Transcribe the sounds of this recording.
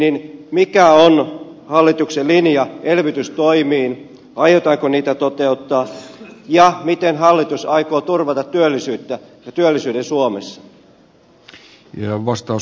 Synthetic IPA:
ninmikæonhɑlːit̪ukselinjɑelʋit̪yst̪oimiːn | ɑjot̪ɑːŋkoniːt̪æt̪ot̪eut̪ːɑːjɑmit̪enɦɑlːit̪usɑikoːt̪urʋɑt̪ɑt̪ːyølːisyːt̪ːæjɑt̪yølːisyːdensuomesːɑ̥ | jɑʋɑst̪ɑu

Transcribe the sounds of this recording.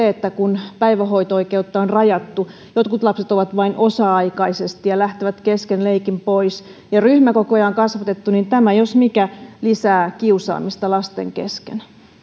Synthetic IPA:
eet̪ːækunpæiʋæhoit̪ɑoikeut̪ːɑonrɑjɑt̪ːu | jot̪kut̪lɑpset̪oʋɑt̪ʋɑinʔosɑɑikɑisest̪ijɑlæht̪eʋæt̪keskenleikimpoisjɑryhmækokojɑoŋkɑsʋɑt̪et̪ːunint̪æmæjosmikælisæːkiusɑ̰ːmist̪ɑlɑst̪ḛŋkḛskḛn

